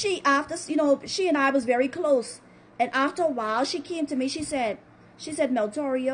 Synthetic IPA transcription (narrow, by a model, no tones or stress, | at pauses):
ʃiʔæftə˞sjɨñoʊʃiɨ̃naɪwʌzvɛɹikʰl̥oʊs | ɨ̃nʔæftə˞əwaɪlˠʃikʰẽɪ̃mtʰɨmiʃisɛd̥̚ | ʃisɛd̚mɛlˠtʰɔɹiɨ